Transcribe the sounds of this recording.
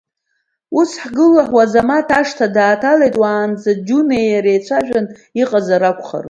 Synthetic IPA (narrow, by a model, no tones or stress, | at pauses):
usħɡɨlaħwazamatʰaʂtʰadaːtʰalejtʼwaːnd͡zad͡ʒunejjaɾejt͡ɕʷʰaʒᶣan | iqʼazaɾakʷʰʼχa̰r